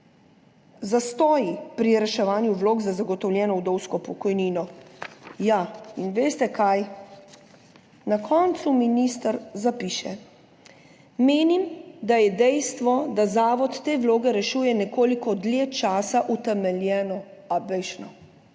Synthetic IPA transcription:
zast̪ɔːjipɾiɾɛʃɛʋaːnjuʋloːɡzazaɡɔt̪ɔwlʲjɛːnɔwd̪ɔwskɔpɔkɔjniːnɔ | jainʋeːst̪ɛkʰaj | nakʰɔːnt̪suminist̪əɾzapiːʃɛ | meːnimd̪ajɛd̪ɛjst̪ʋɔd̪azaːʋɔt̪ːeːwloːɡɛɾɛʃuːjɛnɛkoːlikɔd̪lʲet͡ʃaːsaʔut̪ɛmɛljɛːnɔabɛjʃnɔ

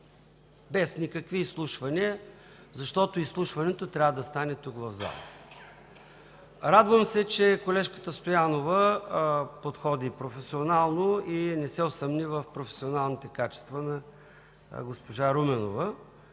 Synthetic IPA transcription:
bɛsnʲikəkviːslˠuʃvɐniə | zɐʃt̪ɔt̪oislˠuʃvɐnɛt̪ot̪ɾʲavəd̪ɐst̪anɛt̪ukvɐvza̰l̰ˠ | ɾad̪vəmsɛt͡ʃɛkolɛʃkə̥t̪əst̪ojanovə | pot̪xɔd̪ipɾofɛsionalˠnoinɛsɛosɐmnivəfpɾofɛ̥sionalˠnit̪ɛkat͡ʃɛ̥st̪vənɐ | ɡospoʒaɾumɛno̰və

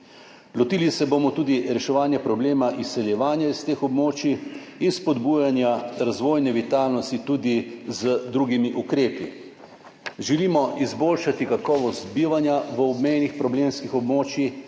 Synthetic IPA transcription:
lɔt̪iːlisɛbomɔt̪uːd̪iɾɛʃɛʋaːnjɛpɾɔbleːmaʔisːɛljɛʋaːnjaist̪eːxɔbmoːt͡ʃiinspod̪buːjanjaɾazʋoːjnɛʋit̪aːlnɔst̪it̪uːd̪izəd̪ɾuːɡimiʔukɾeːpi | ʒɛliːmɔʔizbolʃat̪ikakɔːʋɔst̪biːʋanjaʋəɔbmejnixpɾɔbleːmskixɔbmoːt͡ʃjix

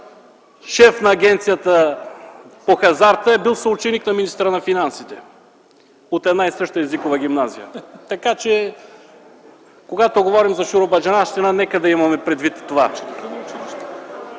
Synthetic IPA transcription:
ʃɛfnɐːɡʲɛnt̪sijət̪ə | poxɐzaɾt̪əɛbilˠsɐut͡ʃɛniknɐminist̪ɾənɐfinansit̪ɛ | ot̪ɛd̪naisɤʃt̪əɛzikovɐɡ̟ʲimnazijət̪ɐkat͡ʃɛ | koɡat̪oɡovɔɾimzɐʃuɾobɐd͡ʒɐnaʃt̪ɛnanɛkəd̪ɐimɐmɛpɾɛd̪vit̪ːova̰

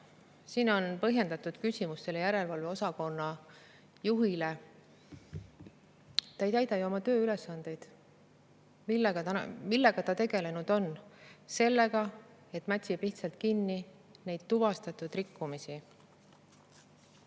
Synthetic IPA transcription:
siːno̞npɤ̞ɦje̞nd̪ɑt̪ːud̪̥kysʲimust̪e̞lejæɾe̞lvɑlve̞o̞sɑko̞nːɑ | juɦile | t̪ɑejt̪æjd̪̥ɑjuomɑt̪ø̞ːyle̞sːɑnd̪̥e̞jd̪̥ | milːeɡɑmilːe̞ɡ̥ɑt̪ɑt̪e̞ɡ̥e̞le̞nud̪̥o̞nse̞lːe̞ɡ̥ɑ | e̞t̪ːˑmæt̪ʲsib̥iht̪sɑlt̪̚kinːi | ne̞jd̪̥t̪ːuvɑst̪ɑt̪ːˑud̪rikːumisi

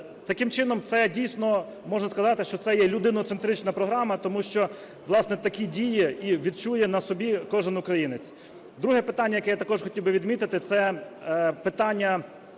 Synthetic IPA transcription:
t̪ɐkɪmt͡ʃɪnɔmt̪sɛdʲijsʲnɔ | mɔʒnɐskɐzɑt̪ɪʃt͡ʃɔt̪sɛjɛlʲʊd̪ɪnɔt̪sent̪ɾɪt͡ʃnɐpɾɔɦɾɑmɐt̪ɔmuʃt͡ʃɔ | ʋlˠɑsnɛt̪ɐkʲidʲijiiʋʲid̪̚t͡ʃujɛnɐsɔbʲikɔʒɪnʊkɾɐjinɪt͡sʲ | d̪ɾuɦɛpɪt̪anʲːɐjɐkɛjat̪ɐkɔʐxɔtʲiwbɪʋʲid̪mʲit̪ɪt̪ɪt̪sɛ | pɪt̪ɑnʲːɐ

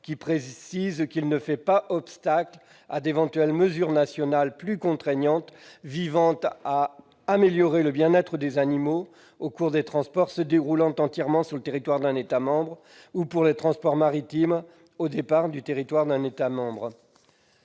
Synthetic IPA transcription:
kʲipχesizkʲilnəfɛpaʔɔpst̪akl | a̰d̪evɑ̃t̪ɥɛlməzyʁnasjɔnalplykɔ̃t̪χɛɲɑ̃t̪vivɑ̃t̪aː | meljɔʁeləbjɛ̃nɛt̪χəd̪ezanimo | okuʁd̪et̪χɑ̃spɔʁsəd̪eʁulɑ̃t̪ɑ̃t̪jɛʁmɑ̃syʁlət̪eʁit̪waʁd̪ɛ̃net̪amɑ̃bʁ | upuʁlet̪χɑ̃spɔʁmaʁit̪im | od̪epaʁd̪yt̪eʁit̪waʁd̪ɛ̃net̪amɑ̃bʁ

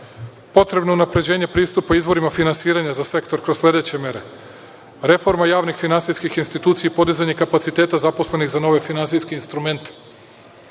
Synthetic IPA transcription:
po̞t̪ɾe̞bnounapɾe̞d͡ʑeːɲe̞pɾiːst̪upoizʋo̞ɾimafinansiːɾaɲazase̞kt̪oɾkɾosslʲe̞d̪e̞t͡ɕemjeɾe̞ | ɾe̞fo̞ɾmajaːʋnixfinansijskixinst̪it̪uːt̪sijaipo̞d̪izaɲe̞kapat̪sit̪e̞ːt̪azapo̞sle̞niɣzano̞ʋe̞finantsijske̞inst̪ɾume̞nt̪e̥

